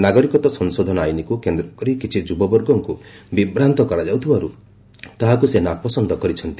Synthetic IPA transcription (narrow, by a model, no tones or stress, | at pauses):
naɡɔɾikɔt̪ɔsɔnsod̪ʱɔnɔajnikukend̪ɾɔkɔɾikit͡ʃʰid͡ʒubɔbɔɾɡɔŋkubibɾant̪ɔkɔɾad͡ʒawt̪ʰibaɾu | t̪aɦakusenapɔsɔnd̪ʱɔkɔɾit͡ʃʰɔnt̪i